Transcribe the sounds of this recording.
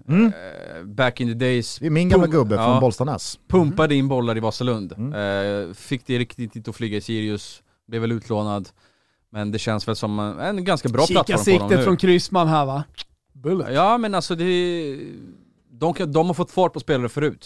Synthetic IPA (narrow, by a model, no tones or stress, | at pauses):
bækːɪnt̪əd̪ɛjsmɪnɡamlaɡɵbːəfɑɔnbɔlst̪anɛ̰spʰɵmpad̪əɪnːbɔlːaɾɪvɑsəlɵnd̪ | fɪkːd̪ɛɾɪkt̪ɪt̪ɪt̪ɔflyːɡaɪsiːɾɪɵs | blɛvɛlʉ̟ːt̪ʰloːnad̪ | mɛnd̪ɛɕɛnsvɛlsɔmɛnɡanskabɾɑːpʰlat̪sɾɔsd̪ɔmʉfɾɔnkʰɾɪsmanɦæva | bɵljɑːmɛnalsɔd̪ɛ | d̪ɔmkʰad̪ɔmhaɾfɔt̪ːfɑːʈ̚pʰɔspeːlaɾəfœɾʉ̟ːt̪